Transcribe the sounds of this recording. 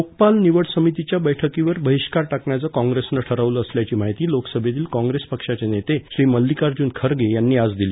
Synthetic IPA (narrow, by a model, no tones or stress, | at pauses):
ok̚palniʋəɽsəmit̪it͡ɕjabəjʈʰəkĩʋəɾbʱəɦiɕkaɾʈakɳjat͡səkɔ̃ŋɡɾesnəʈʰəɾaʋləəsljat͡ɕiːmaɦit̪iːloksəbʱet̪iːlkɔ̃ŋɡɾespəkʂat͡senet̪eɕɾiːməlːikaɾd͡ʑuːnkʰəɾɡejanːiːad͡zd̪iliː